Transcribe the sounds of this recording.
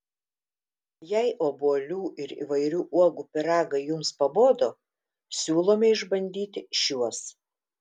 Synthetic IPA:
jɛɪʔoːbuɔlʲuːʔɪɾḭːʋɐɪɾʲuːʔuɔɡuːpʲɪɾɑːɡɐɪjʊmspɐboːd̪oː | sʲuːlˠoːmʲɛɪʒbɐnʲd̪ʲiːt̪ʲɪʃʲuɔs

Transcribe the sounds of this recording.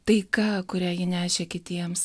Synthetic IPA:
t̪ɐɪkɐːkʊɾʲæːjɪnʲæːʃʲeːkʲɪt̪ʲiɛms

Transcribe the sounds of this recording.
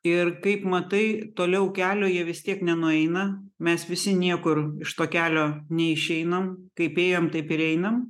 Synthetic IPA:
ɪrkɐɪpmɐt̪ɐɪt̪oːlʲɛʊkʲæːlʲoːjiɛʋʲɪst̪ʲiɛknʲɛnʊɛɪnɐmʲɛsʋʲɪsʲɪnʲiɛkʊɾɪʃt̪oːkʲæːlʲoːnʲɛɪʃʲɛɪnɐmkɐɪpeːjoːmt̪ɐɪpɪɾɛɪnɐm

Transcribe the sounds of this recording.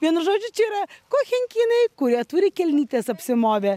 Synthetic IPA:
ʋʲiɛnʊʒoːd͡ʒʲʊt͡ʃʲɛiːɾɐkoːxʲɛŋʲkʲiːnɐɪkʊɾʲiɛt̪ʊːɾʲɪkʲɛlʲnʲiːt̪ʲeːsɐpʲsʲɪmoːʋʲeː

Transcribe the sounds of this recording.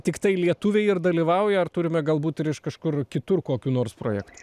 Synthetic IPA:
t̪ʲɪkt̪ɐɪlʲiɛt̪uːʋʲɛɪɪɾd̪ɐlʲiːʋɐʊjɛɐrt̪ʊɾʲɪmʲɛɡɐlˠbuːt̪ɪɾɪʃkɐʃkʊrkʲɪt̪ʊrkoːkʲuːnoːrspɾo̰ːjɛːkt̪u̥

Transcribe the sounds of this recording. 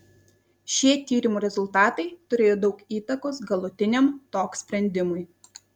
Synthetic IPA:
ʃʲiɛt̪ʲiːɾʲɪmuːɾʲɛzʊlˠt̪ɑːt̪ɐɪt̪ʊɾʲeːjoːd̪ɒʊkiːt̪ɐkoːs̬ɡɐlˠʊt̪ʲɪnʲɛmt̪oːksʲpʲɾʲɛnʲd̪ʲɪmʊj

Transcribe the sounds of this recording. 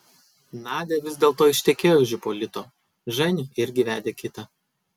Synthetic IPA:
nɑːd̪ʲeːʋʲɪzʲd̪ʲeːlˠt̪oːɪʃʲt̪ʲɛkʲeːjoːʒʲɪpoːlʲɪt̪oː | ʒɐnʲiːʔɪɾʲɡʲɪʋʲæːd̪ʲeːkʲɪt̪ɐ

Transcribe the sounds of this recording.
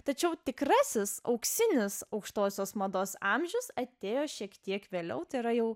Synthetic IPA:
t̪ɐt͡ʃʲɛʊt̪ʲɪkɾɑsʲɪsɐ̰ʊksʲɪnʲɪsɐʊkʃt̪oːsʲoːsmɐd̪oːsɑmʲʒʲʊsɐt̪ʲeːjoːʃʲiɛkt̪ʲiɛkʋʲeːlʲɛ̰ʊt̪ɐɪɾɐjɛʊ

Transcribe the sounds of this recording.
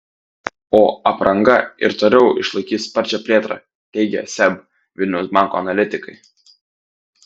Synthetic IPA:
oːɐpɾʔɐŋɡɐɪ̰ɾt̪oːlʲɛʊʔɪʃlˠɐɪkʲiːt̪spɐɾʲt͡ʃʲɛpʲlʲeːt̪ɾɑ̰ː | t̪ʲɛɪɡʲɛ̰sʲɛb | ʋʲɪlʲnʲɛʊsbɑˑŋko̰ːɐnɐlʲɪt̪ʲɪkɐɪ

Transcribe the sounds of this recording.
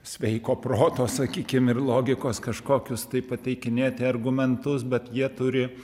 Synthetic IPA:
sʲʋʲɛɪkoːpɾoːt̪oːsɐkʲiːkʲɪmɪrlˠoːɡʲɪkoːskɐʃkoːkʲʊst̪ɐɪpɐt̪ʲɛɪkʲɪnʲeːt̪ʲɪɐrɡʊmʲɛnt̪ʊsbʲɛt̪jiɛt̪ʊɾʲɪ

